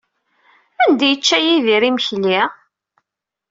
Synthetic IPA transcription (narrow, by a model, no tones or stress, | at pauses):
ænd̪æjət͡ʃːæjiðiɾiməçli